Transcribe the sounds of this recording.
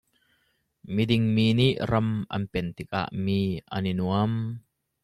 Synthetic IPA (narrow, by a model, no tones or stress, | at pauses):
midɪŋmiːniʔrɐmʔɐ̰npɛnt̪ɪk̚a̰ʔmiːʔa̰ninuəm